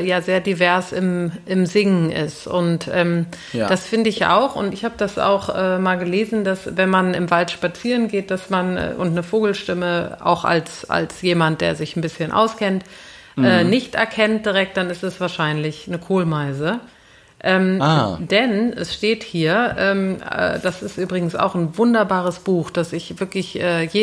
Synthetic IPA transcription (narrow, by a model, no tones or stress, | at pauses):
jaːzeːɐdivɛɐsɪmʔɪmzɪŋŋ̩ʔɪ̰stʊntʔɛːm | d̥asfɪndəɪçʔa̰ʊxʊ̰ntɪçhaːbəd̥asa̰ʊxʔɛːmaːlɡəleːzn̩dasvɛnmanɪmvaltʃpat͡siːʁənɡeːt̚d̥asmanʔɛ̰ʔʊntnəfoːɡl̩ʃtɪməʔa̰ʊxa̰lsʔa̰lsjeːmant̚d̥eːɐzɪçn̩bɪsçənʔa̰ʊskʰɛnt | ɛːnɪçtʔɛ̰ɐkʰɛnt̚d̥iʁɛk̚t̚d̥anɪstɛsv̥aːɐʃaɪnlɪçnəkʰoːlmaɪzə | ʔɛːmd̥ɛnʔɛ̰sʃteːthiːɐʔɛːmɛ̰ːd̥asɪstʔyːbʁɪɡŋ̩sa̰ʊxn̩vʊndɐbaːʁəsb̥uːxd̥asɪçv̥ɪɐklɪçʔɛːjeː